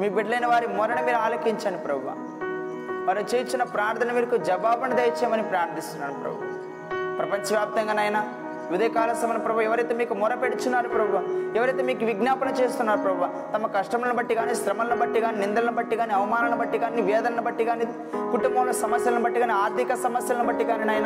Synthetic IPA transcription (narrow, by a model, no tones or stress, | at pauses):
miːbiɖlɐjnɐʋaːɾimɔɾɐɳɐmiːɾuaːlɐkiɲt͡ʃaːnɖipɾɐbʱuʋa̰ːm | ʋaːɾɐt͡ʃeːjt͡ʃːinːɐpɾaːɾt̪ʰɐnɐmiːɾɐkud͡ʒɐbaːbɐnɐd̪ejt͡ʃeːmɐnipɾaːɾd̪ʱist̪unːaːnipɾɐ̰bʱuʋa̰m | pɾɐpɐɲt͡ʃɐʋjaːp̚t̪ɐŋɡaːnɐjnaː | ʋud̪ɐjɐkaːlɐsɐmɐnipɾɐbʱuɛʋɐɾɐjt̪eːmiːkumɔɾɐpeɽut͡ʃunːaːɾupɾɐbʱuʋaːmɛʋɐɾɐjt̪eːmiːkuʋiɡnaːpɐnɐt͡ʃeːst̪unːaːɾupɾɐbuʋaːmt̪ɐmɐkɐʂʈɐmɐlɐnubɐʈːiɡaːniʃɾɐmɐlɐnubɐʈːiɡaːninind̪ɐlɐnɐbɐʈːiɡaːniɐʋɐmaːnɐnɐbɐʈːiɡaːniʋɛːd̪ɐnɐnɐbɐʈːiɡaːni | kuʈumbɐʋlɐsɐmɐsjɐlɐnubɐʈːiɡaːniaːɾt̪ikɐsɐmɐsjɐlɐnubɐʈːiɡaːninaːjɐna